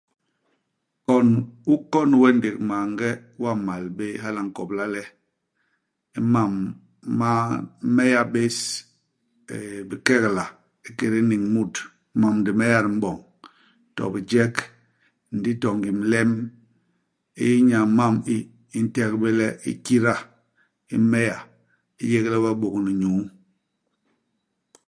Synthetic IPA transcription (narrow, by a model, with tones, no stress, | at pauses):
kɔ˦nu˦kɔ˦n˦wɛ˦nde˨kma˨ŋ˦ɡɛ˦wa˦˨ma˨lbe˦ɦa˦la˨ŋ˨kɔ˨bla˦lɛ˦ | i˦ma˨mː | a˦mɛ˦ja˦be˦s | bi˨kɛ˦kla˨ | i˦ke˨ɾi˦ni˨ŋmu˦˨t | ma˨mdi˨mɛ˦ja˦˨ɾm̩˦ɓɔ˨ŋ | tɔ̰˨bi˨d͡ʒɛ˦k | n̩˨di˦tɔ˨ŋɡi˨m˦lɛ˦m | ḭ˦i˦ɲa˨˦ma˦˨miː˦ | n̩˦tɛ˦kbe˦lɛ˦ʔḭ˦ki˦ɾa˦ | ḭ˦mɛ˦ja˨ | i˦je˦klɛ˦ba˦ɓo˨kni˨ɲu˨˦